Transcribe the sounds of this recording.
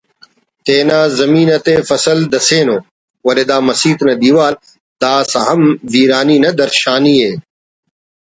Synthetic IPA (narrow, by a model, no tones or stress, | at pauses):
t̪eːnaːzɐmiːnɐt̪eːfɐsɐld̪ɐseːnoː | wɐled̪aːmɐsiːt̪nɐd̪iːʋaːl | d̪aːsɐɦɐmʋiːɾaːniːnɐd̪ɐɾʃaːniːeː